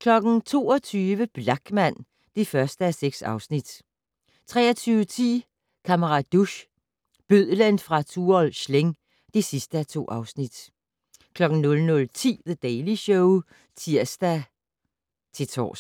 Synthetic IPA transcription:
kʰlɒ̽ɡ̥n̩t͡sʰo̝̰ːɒt͡sʰyːʋəb̥lɑ̈ɡ̥mæn̰ | d̥e̝fɶɐsd̥əæseɡ̥sɑ̈ʊsnid̥ | t͡sʰʁɛ̰ːɐt͡sʰyːʊət͡sʰḭː | kʰæməʁɑ̈d̥uɕ | b̥øð̰ˠlenfʁɑ̈t͡sʰuːɒlɕleŋ | d̥e̝sisd̥əæt͡sʰo̝̰ːʔɑ̈ʊsnid̥ | kʰlɒ̽ɡ̥n̩nɔ̽lnɔ̽lt͡sʰḭːðəd̥ɛɪliɕɔʊ | t͡sʰiɐ̰sd̥æ | t͡sʰe̝t͡sʰɒ̰ːs

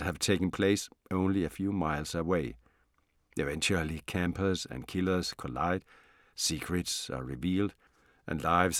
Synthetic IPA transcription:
hæv̥tʰeɪkn̩pʰl̥eɪsõʊ̃nliɨfjuːmaɪlˠsəweɪ | ɨvɛ̃nt͡ʃul̩ˠikʰæ̃mpʰə˞zɨ̰̃nkʰɪlə˞z̥kʰola̰ɪd̥ | sikʰɹɨtsə̰ɹiviːlˠd | ʔɨ̰̃nlaɪvz

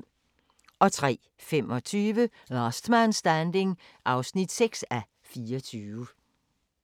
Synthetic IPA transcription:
ʔɒ̽t͡sʰʁɛ̰ː | femɒ̽t͡sʰyːʋə | lɑsd̥mænsd̥ænd̥e̝ŋ | ʔɑ̈ʊsnid̥seɡ̥sæ | fiːɒt͡sʰyːʋə

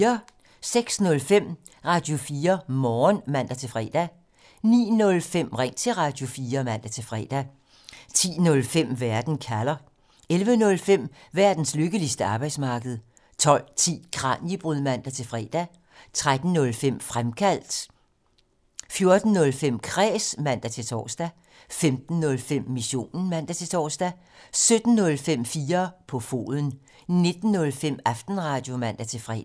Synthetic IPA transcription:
ɐ | seɡ̥snɔ̽lfem̰ | ʁɑ̈d̥jo̝fiːɐmɒːnmæn̰d̥æt͡sʰe̝fʁɛ̰ːd̥æ | nḭːnɔ̽lfem̰ʁɛŋ̰t͡sʰe̝ʁɑ̈d̥jo̝fiːɐmæn̰d̥æt͡sʰe̝fʁɛ̰ːd̥æ | t͡sʰḭːnɔ̽lfem̰ʋæɐd̥n̩kʰælɐ | elʋənɔ̽lfem̰ʋæɐd̥n̩sløɡ̥əlisd̥əɑ̈ːb̥ɑ̈ɪd̥smɑ̈ːɡ̥əð̞̩ˠ | t͡sʰɒ̽l̰t͡sʰḭːkʰʁɑ̰̈njib̥ʁyðˠmæn̰d̥æt͡sʰe̝lfʁɛ̰ːd̥æ | t͡sʰʁad̥n̩ːɔ̽lfem̰fʁamkʰæl̰d̥ | fjo̝ɐd̥n̩ːɔ̽lfem̰kʰʁɛ̰ːsmæn̰d̥æt͡sʰe̝lt͡sʰɒ̰ːsd̥æ | femd̥n̩ːɔ̽lfem̰ːiɕo̝̰ːnn̩mæn̰d̥æt͡sʰe̝t͡sʰɒ̰ːsd̥æ | sød̥n̩ːɔ̽lfem̰fiːɐpʰɒ̽fo̝̰ːðˠn̩ | ne̝d̥n̩ːɔ̽lfem̰ɑfd̥n̩ʁɑ̈ːd̥jo̝mæn̰d̥æt͡sʰe̝fʁɛ̰ː

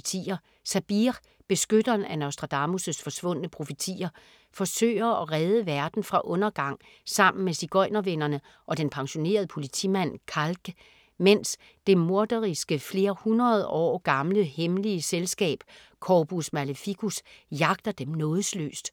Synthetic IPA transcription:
t͡sʰḭːɐ | sæb̥iʁ | b̥e̝sɡ̥ød̥ɐːnænæʊsd̥ʁɑ̈d̥ɑ̈musəsfɒ̽sʋɔ̽n̰ənəpʰʁo̝fit͡sʰḭːɐ | fɒ̽sø̰ːɪ̰ɐɒ̽ʁɛð̞ˠəʋæɐd̥n̩fʁɑ̈ʔɔ̽nɐɡ̥ɑ̈ŋ̰ | sɑ̈m̰n̩mesiɡ̥ɒ̽ɪnɐʋenɐnə | ʔɒ̽d̥enpʰɑ̈ŋɕo̝ne̝̰ːɐð̞ˠəpʰo̝lit͡sʰḭmæn̰kʰɑlɡ̥ | mens | d̥e̝mo̝ɐd̥ɐʁisɡ̥əfle̝ːɐhunʁɐð̞̩ˠɒ̰ːɡ̥ɑ̈mləhemliəselsɡ̥ɛ̰ːb̥ | kʰɒb̥usmæləfiɡ̥ʰusjɑ̈ɡ̥̚d̥ɐd̥emnɔ̽ːðˠslø̰ːsd̥

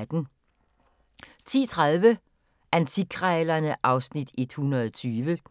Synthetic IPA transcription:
d̥n̩ | t͡sʰḭːt͡sʰʁaðˠʋə | ʔænt͡sʰikʰʁɛːlɐnəʔɑ̈ʊsnid̥e̝d̥hunʁɐðˠt͡sʰyːʋə

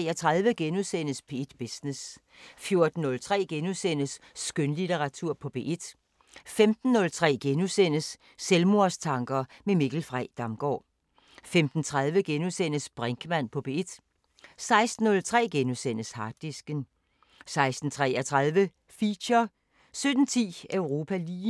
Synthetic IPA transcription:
ɐt͡sʰʁäðˠʋəɡ̥enusen̰əsb̥e̝ed̥b̥esnes | fjo̝ɐd̥n̩ːɔ̽lt͡sʰʁɛ̰ːɡ̥enusen̰əsːɡ̥ønlit͡sʰeʁɑ̈t͡sʰuɐ̰pʰɒ̽b̥e̝̰ːʔed̥ | femd̥n̩ːɔ̽lt͡sʰʁɛ̰ːɡ̥enusen̰əsː | elmo̝ɐst͡sʰɑ̈ŋɡ̥ɐmemiɡ̥l̩fʁaɪd̥ɑ̈mɡ̥ɒ̰ː | femd̥n̩t͡sʰʁað̞ˠʋəɡ̥enusen̰əsb̥ʁaŋɡ̥əmæn̰pʰɒ̽b̥e̝ed̥ | sɑ̈ɪsd̥n̩ːɔ̽lt͡sʰʁɛ̰ːɡ̥enusen̰əshɑ̈d̥ːisɡ̥ən | sɑ̈ɪsd̥n̩t͡sʰʁɛ̰ːɐt͡sʰʁɑð̞ˠʋə | fiːɕɐ | sød̥n̩t͡sʰḭːøʊʁo̝ːpʰæliː

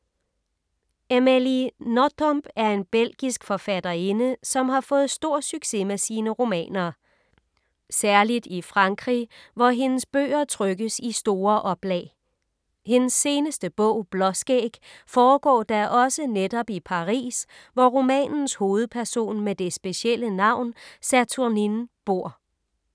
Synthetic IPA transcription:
emelinodʰɔmb̥æɐe̝nb̥el̰ɡ̥isɡ̥fɒ̽fæd̥ɐe̝nəsɒ̽mɦɑ̈fɔ̽ːð̞̩ˠsd̥o̝ɐ̰syɡ̥se̝mesiːnəʁo̝mɛ̰ːnɐ | sæɐlid̥ifʁɑ̈ŋɡ̥ʁḭʋɒɦe̝nəsb̥ø̰ːɐt͡sʰʁœɡ̥əsisd̥o̝ːɐʔɒ̽b̥lɛ̰ː | he̝nəsːe̝ːnəsd̥əb̥ɔʊ̰b̥lɒ̽sɡ̥eɡ̥fɒːɡ̥ɒ̰ːd̥æʔɒ̽səned̥ɒ̽b̥ipʰɑ̈ʁḭːsʋɒʁo̝mɛ̰ːnn̩sho̝ːð̞̩ˠpʰæɐso̝̰ːnmed̥e̝sb̥e̝ɕiel̰ənɑ̈ʊ̰nsæt͡sʰuɐninb̥o̝ɐ̰

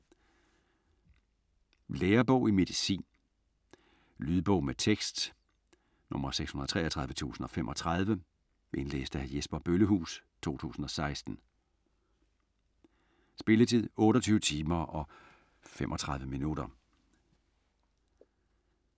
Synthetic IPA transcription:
leːɐb̥ɔʊime̝ðˠisḭːn | lyðˠb̥ɔʊ̰met͡sʰeɡ̥sd̥ | nɔ̽mɐseɡ̥shunɐðˠt͡sʰʁɛ̰ːɐt͡sʰʁɑðˠʋət͡sʰṵːsn̩ɒ̽femʔɒ̽t͡sʰʁɑð̞ˠʋə | ʔe̝nlḛːsd̥əæjesb̥ɐb̥øləɦṵːst͡sʰo̝̰ːt͡sʰṵːsn̩ɒ̽sɑ̈ɪsd̥n̩ | sb̥e̝lət͡sʰið̞̰ˠɔ̽ːɾɒt͡sʰyːʊət͡sʰiːmɐʔɒ̽ | femʔɒ̽t͡sʰʁɑ̈ð̞ˠʋəminud̥ɐ

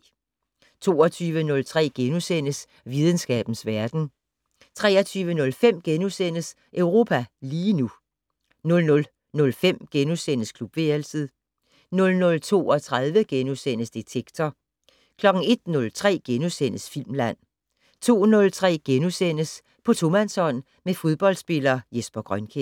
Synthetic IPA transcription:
t͡sʰo̝̰ːɒt͡sʰyːʋənɔ̽lt͡sʰʁɛ̰ːɡ̥enusen̰əs | ʋið̞ˠən̩sɡ̥ɛ̰ːb̥n̩sʋæɐd̥n̩ | t͡sʰʁɛ̰ːɐt͡sʰyːʋənɔ̽lfem̰ɡ̥enusen̰əs | ʔøʊʁo̝ːpʰæliːnu | nɔ̽lnɔ̽l | nɔ̽lfem̰ɡ̥enusen̰əskʰlub̥ʋe̝elsəð̩ˠ | nɔ̽lnɔ̽lt͡sʰo̝̰ːɒ̽t͡sʰʁað̞ˠʋəɡ̥enusen̰əsd̥it͡sʰeɡ̥t͡sʰɒ | kʰlɒ̽ɡ̥n̩e̝d̥nɔ̽lt͡sʰʁɛ̰ːɡ̥enusen̰əsfil̰mlæn̰ | t͡sʰo̝̰ːnɔ̽lt͡sʰʁɛ̰ːɡ̥enusen̰əs | pʰɒ̽t͡sʰo̝mænsɒ̽n̰ | mefo̝ð̞ˠb̥ɒ̽ld̥sb̥e̝lɐːjesb̥ɐɡ̥ʁɶnkʰe

